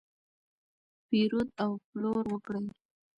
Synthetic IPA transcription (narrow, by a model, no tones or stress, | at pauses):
piɾud̪awploɾwəkɽəj